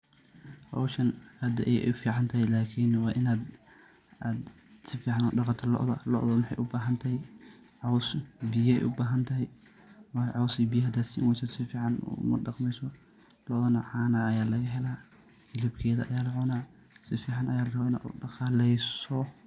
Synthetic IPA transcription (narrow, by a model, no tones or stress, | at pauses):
ħɔ̰wʃɐnhɐd̪ɐʔɛjɛ̰ʊfiːʕɑnt̪ʰɐɦɛjlaːkʰiːnwɑːʔɪnaːd̪ | aːd̪ | sɪfiːʕɑnɔːɖɑqɑt̪ʰɐlɔ̰ʔðɐlɔ̰ʔðɔmɪħɑ̰jʔʊbaːɦɐnt̪ʰɐɦɛj | ʕɔwsbijɐɛ̰jʔʊbaːɦɐnt̪ʰɐɦɛj | wɑʕɔwsibijɐɦɐd̪aːd̪sɪʔɪ̰wɛjsɔd̪sɪfiːʕɑnṵmɐ̰ɖɑqmɛjsɔ | lɔʔðɐnɐʕɑːnɐɐjaːlɐɣɐɦɛlaː | ɪlɪb̚kʰɛːðɐ̰ɐjaːlʕɔnaː | sɪfiːʕɑnʔɐjaːlrɐβnɐʔṵːɖɑqɑlɛjsɔ